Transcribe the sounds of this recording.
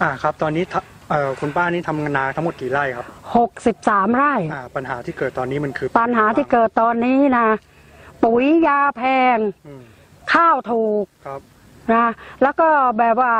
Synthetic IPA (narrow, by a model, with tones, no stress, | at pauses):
ʔaː˧˩kʰa˦˥p̚t̪ɔː˧nːiː˦˥t̪ʰa˧ | ʔɤː˨˩kʰu˧npaː˥˩niː˦˥t̪ʰa˧mŋa˧nːaː˧˥t̪ʰmo˨˩t̪̚kiː˨˩la˥˩jkʰa˦˥p̚ho˨˩k̚si˨˩p̚saː˩˦mɾaː˥˩jʔaː˧˩pa˧nɦaː˩˦t̪ʰiː˥˩kɤː˨˩t̪ːɔː˧nːiː˦˥ma˧nkʰɯː˧˩pa˧nɦaː˩˦t̪ʰiː˥˧˩kɤː˨˩t̪ːɔː˧nːiː˦˥na˦˥ | pu˨˩˦jjaː˧pʰɛː˧ŋ | kʰaː˥˩wt̪ʰuː˨˩k̚ʰ | na˦˥lɛː˦˥wkɔː˥˩˨bɛː˨˩p̚waː˥˩